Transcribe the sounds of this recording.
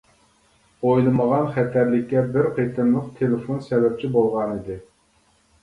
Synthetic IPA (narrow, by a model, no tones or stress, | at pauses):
ojlˠɨməʁɑnχɛt̪ʰæɾlɪkʲːɛbɪɾqʰejt̪ʰɨnlˠəqt̪ʰelɪfonsɛvɛp̚t͡ʃʰibolˠʁɑnɨd̪ɪ